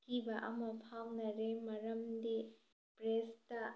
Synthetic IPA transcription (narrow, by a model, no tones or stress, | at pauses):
kibɐʔɐmɐpʰawnɐɾemɐɾɐmdi | pɾestɐ